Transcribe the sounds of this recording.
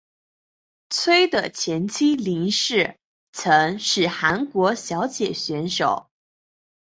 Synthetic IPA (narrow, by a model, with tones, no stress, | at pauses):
t͡sʰwe˥ɪd̪ə˨t͡ɕʰjɛ˧˥nt͡ɕʰi˥li˧˥ŋʂɻ̩˥˩ | t͡sʰɤ˧˥ŋʂɻ̩˥˩xa˧˥nkwɔ˧˥ɕjɑ˧˥ʊt͡ɕjɛ˨˩ɕɥɛ˧˥nʂo˨˩˦ʊ